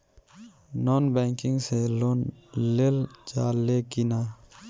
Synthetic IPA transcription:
nɔːnbɛŋkɪŋɡselonleld͡ʒaːlːekina

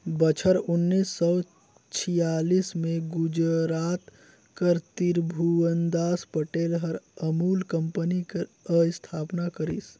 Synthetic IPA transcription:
bət͡ʃʰəɾʊnːiːsːɔː | t͡ʃʰijaːliːsmẽɡʊd͡ʒɾaːt̪ | kəɾt̪iɾbʱuənd̪aːspəʈeːlɦəɾəmuːlkəmpənikə | əst̪ʰaːpnakəɾis

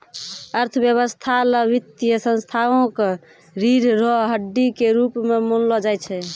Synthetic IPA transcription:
əɾt̪ʰəbjəβəst̪ʰaləbit̪ijəsə̃nst̪ʰaõke | ɾiɾɾɔɦəɖːikeɾupmemonlɔd͡ʒajt͡ʃʰɛ

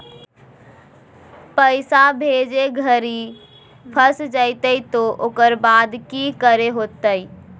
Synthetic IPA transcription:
pəɪsabʱed͡ʒeɡʱəɾi | pʰəsd͡ʒaɪt̪əit̪oʔokəɾbad̪kikəɾeɦot̪əj

